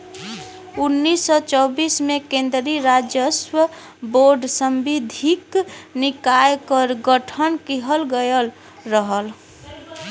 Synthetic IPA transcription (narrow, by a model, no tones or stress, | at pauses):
unːisːɔt͡ʃɔʊbismekẽnd̪ɾiɾad͡ʒjəswə | boɾɖsəmbid̪ʱiknikajkəɾɡəʈʰənkiɦəlɡəjəl | ɾəɦəl